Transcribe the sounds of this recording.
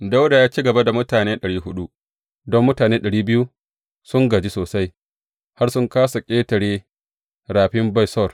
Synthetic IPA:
da˦wda˨jaː˦t͡ʃi˦ɡɐ˨ba˦da˨mʊ˦taː˨neː˦ɗɐ˨ɽiː˦ɦʊ˦ɗu˦ | dɔ˦mːʊ˦taː˨neː˦ɗɐ˨ɽiː˦bɪ˦ju˦ | sʊ˦ŋɡa˨d͡ʒi˦soː˨sa˦j | ha˦rsʊ˦ŋkaː˦sa˨kʲʼeː˦tɐ˨ɽeː˦ | ɾaː˨ɸɪ˦mba˦jsɔ˦˨r

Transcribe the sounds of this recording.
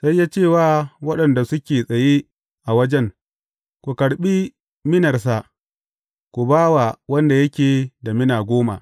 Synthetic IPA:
sa˦jːaː˦t͡ʃeː˦˨waː˦wɐ˦ɗɐ˨nda˨sʊ˦kʲeː˨sʼɐ˨je˦ | ʔa˨wɐ˦d͡ʒɛ˦ŋ | kʷu˨kɐ˨ɽɓi˦ | mɪ˦nɐ˨rs̬a˨ | kʷu˨baː˦wa˨wɐ˦nda˨jɐ˦kʲeː˨da˨mɪ˦naː˨ɡʷoː˦ma̰˨ʔ

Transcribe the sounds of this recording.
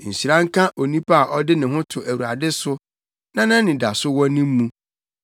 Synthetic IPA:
n̩˨ɕi˨ɾã˦ŋ̩˦kʰã˦ʔo˨nĩ˦pʰa˦a˨ʔɔ˦dɪ˦nɪ̃˨ɦʊ̃˦tʰʊ˨ʔæ˨wu˨ɾa˨dɪ˦sʊ˦ | nã˦nã˦nɪ̃˨da˨sʊ˦wɔ̃˦nɪ̃˦m˦mũ˦

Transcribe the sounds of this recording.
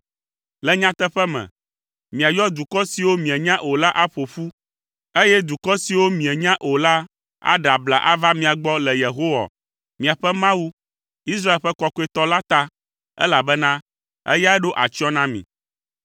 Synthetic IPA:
lɛ˦ɲã˦t̪ɛ˦ɸɛ˦mɛ̰̃˨ | mĩ˨a˨jɔ˦d̪u˨kɔ˦si˨wo˦mĩ˨ɛ˨ɲã˦ʔo˨la˦ʔa˦ɸo˨ɸu˦ | e˦jɛ˦d̪u˨kɔ˦si˨wo˦mĩ˨ɛ˨ɲã˦ʔo˨la˦ | a̰˦ɖa˨bla̰˨ʔa̰˦va˦mĩ˨a˨ɡ͡bɔ˦lɛ˨je˨ɦo˦wa̰˨ | mĩ˨a˨ɸɛ˦mã˦wu˦ | i˦s̬ɾa˦e˨lɸɛ˦kɔ˨ko˦ɛ˨t̪ɔ˦la˦t̪a˦ | ɛ̰˦la˨bɛ˦nã˦ | ɛ̰˦ja˦ɛ˦ɖo˦ʔa˨t͡ʃi˦ɔ˦nã˦mḭ̃˨

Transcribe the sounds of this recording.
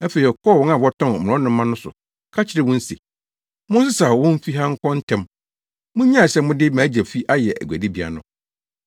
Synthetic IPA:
æ˦fe˨ɾi˨ɔ˨kʰɔ˦˨wɔ̃˦na˨wɔ˦tʰɔ̃˦˨n˨m̃˨ɔ̃˦nʊ̃˦mːã˦nʊ̃˦sʊ̰˨ | kʰa˦t͡ɕʰɪ˨ɾɪ˦wʊ̃˦n̩˦se˨ | mʊ̃˦n˦s̬ɪ˦saː˨wʊ̃˦m̩˦fi˦ɦã˦ŋ̩˦kʰɔ̃˦n̩˦tʰɛ̃˨m | mʊ̃˦ɲã˦˨sɛ˦mʊ̃˦dɪ˦mãː˨˦d͡ʑæ˨fi˦ʔa˦jɛ˨ʔæ̰˨ɡʷæ̰˨di˦bi˨˦a̰˨nʊ̰̃˦

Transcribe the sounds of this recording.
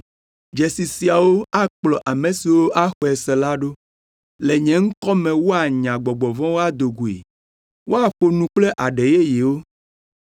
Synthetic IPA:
d͡ʒe˨si˨si˨a˨wo˦a˦k͡plɔ˨ʔa˨mẽ˨si˨wo˦ʔa˦xɔ˨ɛ˨sɛ˨la˦ɖo˦ | le˨ɲɛ̃˨ŋ̩˦kɔ˦mɛ̃˨wo˦a˨ɲã˨ɡ͡bɔ˨ɡ͡bɔ˨vɔ̃˦wo˦a˦d̪o˨ɡu˨ḛ˨ | wo˦a˨ɸo˨nũ˨k͡ple˦ʔa˨ɖe˨je˦ji˨wo˦

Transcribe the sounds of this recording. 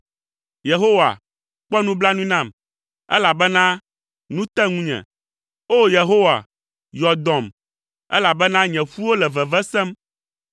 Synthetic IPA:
je˨ɦo˦wa̰˨ | k͡pɔ˦nũ˦bla˦nũ˦nã˨m | ɛ̰˦la˨bɛ˦nã˦ | nũ˦t̪ɛ̃˦ŋũ˦ɲɛ̰̃˨ | o˦je˨ɦo˦wa̰˨ | jɔ˨d̪ɔ̃˨m | ɛ̰˦la˨bɛ˦nã˦ɲɛ̃˨ɸu˦wo˦lɛ˨vɛ˨vɛ˦sɛ̃˦m

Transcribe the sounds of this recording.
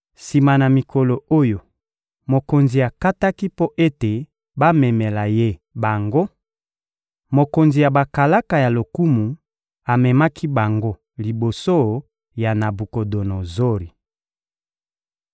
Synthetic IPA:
si˨ma˨na˨mi˨kʰo˨lo˨o˦jo˨ | mo˨ko˨nzi˨a˨ka˦ta˦ki˦po˦ʔe˦te˨ | ba˦mɛ˨mɛ˨la˨je˦˨ba˨ŋɡo˦ | mo˨ko˨nzi˨ja˨ba˨ka˨la˦ka˨ja˨lo˨ku˦mu˨ | a˨mɛ˨ma˦kʰi˦ba˨ŋɡo˦ | li˨bo˨so˦ | ja˨na˨bu˨ko˨do˨no˨zo˦ɾi˨

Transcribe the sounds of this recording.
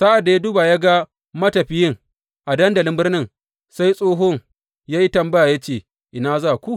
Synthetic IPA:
saː˦ʔa˨da˨a˦duː˦ba˨ja˦ɡa˦ | mɐ˦tɐ˨ɸɪ˦jɪ˦ŋ | ʔa˨dɐ˦ndɐ˨lɪ˦mbɪ˦rnɪ˦ŋ | sa˦jsʼoː˦ɦo˦ŋ | jaː˦ji˦tɐ˨mbɐ˦ja˨ja˦t͡ʃeː˨ | ʔɪ˨naː˦zaː˦˨kʷu˦ʔ

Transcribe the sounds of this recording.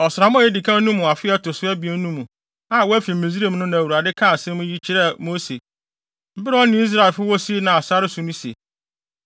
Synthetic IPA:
ɔ˨sʊ˨a˨mɔ̃˦ɛ˦di˨kʰã˦nũ˦mʊ̃˨a˨fɪ˦ɛ˦tʊ˨sʊ˦æ˦bi˨ɛ˦nũ˦mũ˨ | a˦˨wɔ˦æ˦fi˨m̩˨mẽ˨z̬i˦ɾe˦˨mnʊ̃˦nã˨wu˨ɾa˨dɪ˦kʰã˦˨sɛ̃˦mʊ̃˦ji˦t͡ɕʰɪ˨ɾɛ˦˨mo˦se˨ | m̩˦bɪ˦ɾɔ˦nʊ̃˨˦i˦s̬ɾa˨ɪ˨lfʊ˦wɔ˦si˦nã˨a˨sa˦ɾɪ˦sʊ˨nʊ̃˦sḛ˨

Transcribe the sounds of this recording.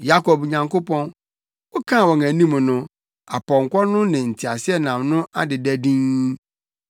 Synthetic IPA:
ja˦kʰɔ˨bɲã˨ŋko˦pɔ̃˦n | wɔ˦kʰã˦˨wɔ˨ŋæ˨nĩ˦m˨nʊ̃˦ | a˨pɔ̃˨ŋ̩˨kʷɔ˦nʊ̃˦nɪ̃˨n̩˨tʰi˨a˨sɪ˦ɛ˦nã˨mnʊ̃˦a˦dɪ˨dæ˦dĩ˦ŋ

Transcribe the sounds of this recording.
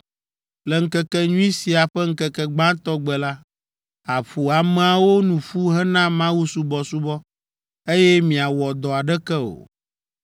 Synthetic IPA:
lɛ˨ŋ̩˦kɛ˦kɛ˦ɲũ˦i˦si˨a˨ɸɛ˦ŋ̩˦kɛ˨kɛ˦ɡ͡bã˦t̪ɔ˦ɡ͡bɛ˨la˦ | a˨ɸu˨a˨mɛ˨a˨wo˦nũ˨ɸu˦ɦɛ˦nã˦mã˦wu˦su˦bɔ˨su˦bɔ˦ | e˦jɛ˦mĩ˨a˨wɔ˨d̪ɔ˨a˨ɖɛ˦kɛ˦o̰˨

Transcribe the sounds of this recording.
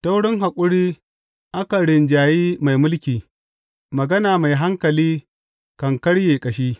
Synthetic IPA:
ta˦wɽɪ˦ŋɦa˨kʷʼʊ˦ɽiː˦ | ʔa˦ka˨ɽɪ˨nd͡ʒaː˨jiː˦ma˨jmʊ˦lkʲiː˨ | mɐ˨ɡɐ˦naː˨ma˨jɦa˦ŋkɐ˨liː˦ | kɐ˨ŋkɐ˦ɽjeː˨kʼɐ˨ʃiː˦

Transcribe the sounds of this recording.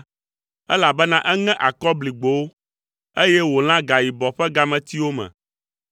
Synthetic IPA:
ɛ˦la˨bɛ˦nã˦ʔɛ˦ŋɛ̃˦ʔa˨kɔ˦bli˨ɡ͡bo˨wo˦ | e˦jɛ˦wo˨l̃ã˦ɡa˨ji˨bɔ˨ɸɛ˦ɡa˨mɛ̃˨t̪i˦wo˦mɛ̰̃˨

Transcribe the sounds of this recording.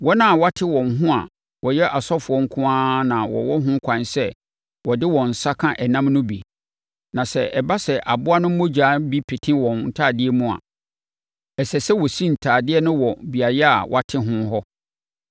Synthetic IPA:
wɔ˦nã˦˨wa˦tʰɪ˦wɔ̃˨nɦʊ̃˦a̰˨ | wɔ˨jɛ˦ʔa˨sɔ˦fʊ˨ɔ˦ŋ̩˦kʰʊ̃˦ãː˦nã˨wɔ̰˨wɔ˦ɦʊ̃˦kʷʰã˨nsɛ˦ | wɔ˨dɪ˦wɔ̃˨n̩˨sa˦kʰã˦ʔɛ˨nã˦mnʊ̃˦bi˨ | nã˨sɛ˨ʔɛ˨ba˦sɛ˨ʔa˨bʊ˦a˦nʊ̃˦mʊ̃˦d͡ʑaː˨˦bi˦pʰe˨tʰɪ̃˦wɔ̃˨nn̩˨tʰaː˦˨dɪ˦ɛ˦mũ˦a̰˨ | ɛ˨sɛ˨sɛ˦wɔ˨si˦n̩˨tʰaː˨dɪ˦ɛ˦nʊ̃˦wɔ˨bi˨a˨jɛ˦a̰˨wʔa˨tʰɪ̃˦ɦʊ̃˦ɦɔ˦

